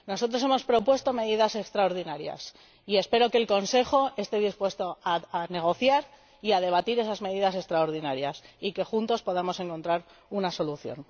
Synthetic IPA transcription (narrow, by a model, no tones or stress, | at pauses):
no̞so̞t̪ɾo̞se̞mo̞spɾo̞pwe̞st̪o̞me̞ðiðase̞kst̪ɾaoɾðinaɾja̰s | ie̞spe̞ɾo̞keːlko̞nse̞xo̞e̞st̪e̞ðispwe̞st̪o̞aane̞ɣ̞o̞θjaɾ | iað̞e̞β̞at̪iɾe̞sazme̞ð̞iðas̬e̞kst̪ɾaoɾðinaɾjasike̞xunt̪o̞spo̞ðamo̞se̞ŋko̞nt̪ɾaɾ | unaso̞luθjo̞̰n